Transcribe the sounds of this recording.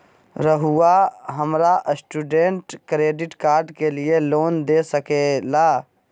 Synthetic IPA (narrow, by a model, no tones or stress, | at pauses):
ɾəɦuaɦəmɾaʔsʈuːɖẽːɳʈkɾeːɖɪʈkaːɾɖkelieloːnd̪esəkelaː